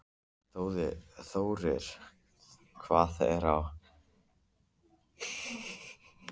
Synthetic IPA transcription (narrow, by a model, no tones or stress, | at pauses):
θoːwðɪθoːwɾɪɾ̥ | kʰvaːθɛ̰ɾaw